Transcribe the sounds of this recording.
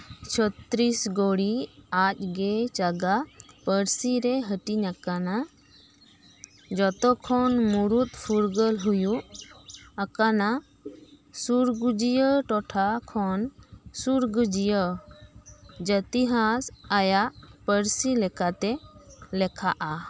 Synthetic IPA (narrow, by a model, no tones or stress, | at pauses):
t͡ʃʰət̪ɾisɡoɽiac̚ˀɡɛt͡ʃaɡapəɾsiɾɛɦəʈiɲakana | d͡ʒɔt̪ɔkʰɔnmuɾut̪̚pʰuɾɡəlɦujuʔ | əkana | suɾɡud͡ʒijəʈɔʈʰakʰɔnsuɾɡud͡ʒijə | d͡ʒət̪iɦasajaʔpəɾsilɛkat̪ɛlɛkʰaʔa